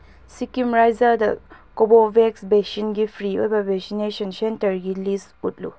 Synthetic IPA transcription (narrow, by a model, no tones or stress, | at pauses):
sikimɾajzadɐ̰kobɔbɛksbɛsinɡipʰɾio̰jbabɛsineʃɔnsentəɾɡilis | ut̚lṵ